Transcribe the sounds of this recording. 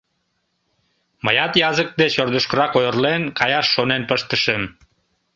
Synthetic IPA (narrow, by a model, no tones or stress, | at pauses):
məjɑt̪jɑzək̚d̪et͡ɕord̪əʃkəɾɑkojərlenkɑjɑʃːonenpəʃt̪əʃəm